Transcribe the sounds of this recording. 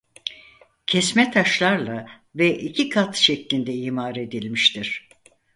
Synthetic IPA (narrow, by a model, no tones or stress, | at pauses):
cʰɛsmɛt̪ʰaʃlˠaɾlˠa | vɛʔicʰikʰat̪ʃɛclʲind̪ɛjimaːɾe̞d̪ilʲmiʃt̪iɾ̥